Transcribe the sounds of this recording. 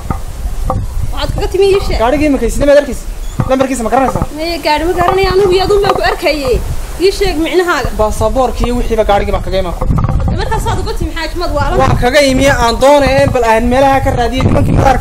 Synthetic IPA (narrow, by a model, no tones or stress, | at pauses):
wħaːd̪kʰɐɣɐt̪ʰɪmɪiːʃɛːɡaːɽɪɣiɪmɐkʰɐsɪnɐmaːd̪ɐrkʰɛjsi̥lɐmbɐrkiːs̬ɐmɐɡɐɾɐnɐjsaːmɛjɛɡaːɽɪmɐɡɐɾɐnɐjaːnɐnɪɣʊjɐðʊmbaːŋkʰʊɐrkʰɐjɛ | iːʃɛːɡmɪʕnɐɦaːɣɐbasɐbɔːrkʰijɔwɪħiːβɐɡaːɽɪɣiːβaːŋkʰɐɣɐɪmaːkʰʊɐd̪ɛmɐrkʰaːsaːd̪ʊɣɐt̪ʰɪmɪħaːkɪmɐd̪wɑːlɐwɑ̰ːŋkʰɐɣɐɪmɪjɐʔaːnd̪ɔːnɛjɛːnbɐlaːnmɛːlɐhakʰɐraːðɪjɛnɪmɐŋkʰimɐɾaːɾk